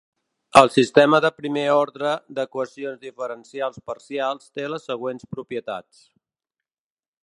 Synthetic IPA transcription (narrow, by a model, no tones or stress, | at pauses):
əlˠsist̪ɛməðəpɾimeɔɾðɾəd̪əkwəsionzðifəɾənsialˠspəɾsialˠst̪eləsːəɣ̞wenspɾupiət̪a̰t͡s